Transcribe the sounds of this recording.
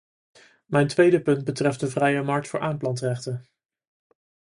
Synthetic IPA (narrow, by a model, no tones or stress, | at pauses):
mɛjntʋejdəpɵnd̚bətrɛft̚dəvrɛjəmɑɹk̚tfʊːɹʔaːmplɑntrɛχtən